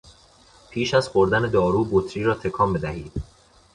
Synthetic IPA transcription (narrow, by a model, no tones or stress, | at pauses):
pʰiːʃæzχoɾd̪æne̞d̪ɒːɾuːbot̪ʰɾiːɾɒːt̪ʰekʰɒːmed̪æhiːd̪̥